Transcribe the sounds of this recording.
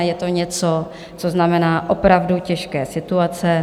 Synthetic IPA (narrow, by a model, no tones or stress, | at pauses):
jɛt̪o̞ɲɛt͡so | t͡so̞znamɛnaːʔopɾavducɛʃkɛːsɪt̪uat͡sɛ